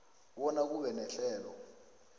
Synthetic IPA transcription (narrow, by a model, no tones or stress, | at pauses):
wɔnak̬uɓɛnɛɬɛːlɔ̰